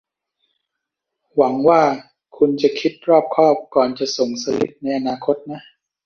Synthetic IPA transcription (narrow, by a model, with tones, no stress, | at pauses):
wa˩˦ŋwaː˥˩ | kʰu˧nt͡ɕa˨˩kʰi˦˥t̪̚ɾɔː˥˩p̚kʰɔː˥˩p̚kɔː˨˩nt͡ɕa˨˩so˨˩ŋsa˧lḭ˦˥t̪̚na˧jʔa˧naː˧kʰo˦˥t̪̚na˦˥ʔ